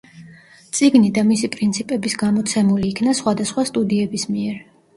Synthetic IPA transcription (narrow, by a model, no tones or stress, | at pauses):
t̪sʼiɡnid̪amisipʼɾint̪sʰipʼɛbisɡamɔt̪sʰɛmuliːkʰnasχwad̪asχwast̪ʼud̪iɛbismiɛɾ